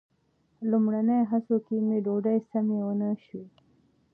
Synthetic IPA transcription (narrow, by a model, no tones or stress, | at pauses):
lumɽanajɦasokimeɖoɖajsamewənəʃu